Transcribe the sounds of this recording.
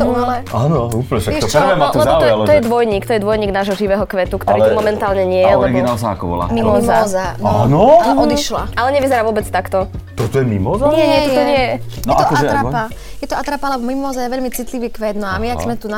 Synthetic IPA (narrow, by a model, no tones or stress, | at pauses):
ɛt̪ɔulɛʔaːnɔuːpl̩ɲɛʃakɔɔɛmat̪nɔɔt̪ɔlt̪ɔjɛd̪ʋɔjɲiːkt̪ɔjɛd̪ʋɔjɲiːɡnaːʒɦɔʒiʋɛːɦɔkʋɛt̪ukt̪ɔɾɾilt̪umɔmɛnt̪aːlɲɛɲɪɛjɛɛɾiɡinalsaa̰kɔbɔ̰la̰mimɔzazananɔɔd̪iʃlaʔalɛɲɛʋizɛɾaːʋʊɔbɛt͡st̪akt̪ɔt̪ɔt̪ɔjɛmimɔzaɲɲɪɛɲɪɛt̪ɔt̪ɔɲɪɛjɛjɛaɔɔkɔaɾapa | jɛt̪ɔat̪ɾapalɛbɔmimɔzajɛʋɛʎmit͡sit̪liʋiːkʋɛd̪nɔamiaɡzmɛt̪una